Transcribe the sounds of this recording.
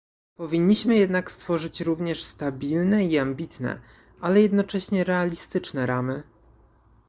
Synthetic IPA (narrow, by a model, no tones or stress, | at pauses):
pɔvʲiɲːiɕmɘjɛd̪nakst̪fɔʐɘt͡ɕɾuvɲɛʂst̪abʲilnɛiambʲit̪nɛ̰ | alɛjɛd̪nɔt͡ʂɛɕɲɛɾɛalʲist̪ɘt͡ʂnɛɾamɘ